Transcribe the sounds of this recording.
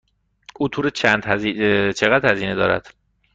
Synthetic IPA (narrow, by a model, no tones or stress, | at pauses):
uːt̪ʰuːɾet͡ʃʰænd̪ht͡ʃʰeɣæd̪̥hæziːne̞d̪ɒːɾæ̰d̪̥